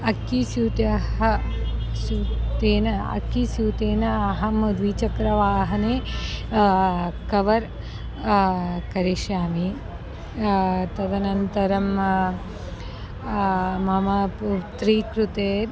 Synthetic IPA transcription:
ɐkːisuːt̪ɐɦɐ | sut̪eːnɐɐ̰kːisjuːt̪eːnɐɐɦɐmud̪ʋiːt͡ʃɐkɾɐʋaːɦɐneː | kɐʋɐɾ | kɐɾiʃjaːmi | t̪ɐd̪ɐnɐnt̪ɐɾɐm | mɐmɐput̪ɾiːkɾut̪eːɾ

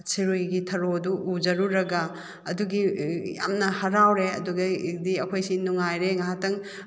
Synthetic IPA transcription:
siɾujɡitʰɐɾoduʔud͡ʒɐɾuɾɐɡɐ | ɐduɡija̰mnɐhɐɾawɾeɐduɡɐidiɐkʰojsinuŋajɾeŋaɦatɐŋ

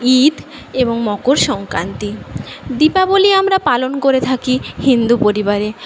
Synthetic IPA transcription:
id̪ | eboŋmɔkoɾʃɔŋkɾant̪id̪ipaboliamɾapalonkoɾet̪ʰakihind̪upoɾibaɾe

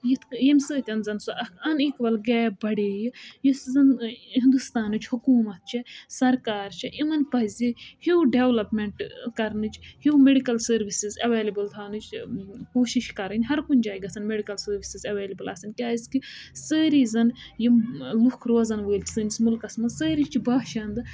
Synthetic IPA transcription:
jit̪ʰjɐmʲsəːt̪ʲɐnzɐnsoʔɐkʰɐniːkʋɐlɡɛːbɐɽeːjijiszɐnɦĩnd̪ust̪aːnɨt͡ʃhukuːmɐt̪̚t͡ʃʰɐsɐɾkaːɾt͡ʃʰɐʔimɐnpɐzʲihiwɖeʋlɐpmeɳʈkɐɾnɨt͡ʃhiwmeɖikɐlsəːɾʋisizɐʋeːlɐbɨlt̪ʰaːnɨt͡ʃʰkoːʃiʃkɐɾɨnʲɦɐɾkunʲd͡ʒaːɡɐsɐnmeɖikɐlsəːɾʋisizɐʋeːlɐbɨlɐːsɐnkʲaːiskisəːɾizɐnjilukʰɾoːzɐnʋəːlʲt͡ʃʲsɨnʲismulkɐsmɐsəːɾit͡ʃibaːʃaːnd̪ɨ

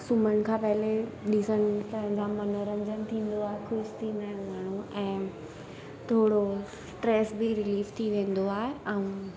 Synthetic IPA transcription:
suməɽ̃kʰãːpɐɦɪleɗisəɽ̃ɪpɐ̃ɦɪ̃ɲd͡ʑãmɐnoɾə̃ɲd͡ʑənɪ̆t̪ʰĩːn̆d̪oaːɦexʊʃt̪ʰĩːnd̪aːɦɪ̃nmaːɽ̤̃ũɛ̃ː | t̪ʰoːɽo | sʈɾeːsbiɾɪliːft̪ʰiʋẽːn̆d̪oaːɦeʔɛũ

